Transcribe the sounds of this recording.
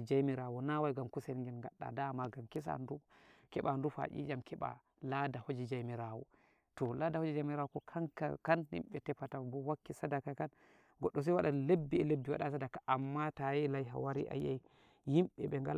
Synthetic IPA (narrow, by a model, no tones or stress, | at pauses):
d͡ʒajmiɾawɔnawajɡamkusɛnŋɡɛnŋɡaɗːa̰damaɡamkis̬a̰ndukɛɓandufa̰ʔḭd͡ʒamkʰɛɓa̰ | ladahod͡ʒid͡ʒajmiɾawɔ̰ | tɔladahod͡ʒid͡ʒamiɾawukɔkʰankakanhḭmɓɛtɛpːatabɔwakːisadakakan | ɡɔɗːɔs̬ajwaɗalebːiɛlebːiwa̰ɗasadakaʔamːatajɛlajɦa̰waɾḭʔa̰jaj | himɓɛɓɛŋɡal